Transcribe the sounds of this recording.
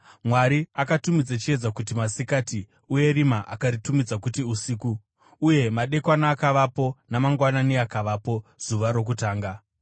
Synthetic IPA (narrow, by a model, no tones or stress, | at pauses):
mwaɾiakatumid͡zat͡ʃie̞d͡zakutimasikati | uje̞rimaʔakaɾitumid͡zakutiusiːkuː | je̞maɗe̞kwanaːkaʋapo̞namaŋɡwananiakaʋaːpo̞z̥uʋaɾo̞k̬utaːŋɡa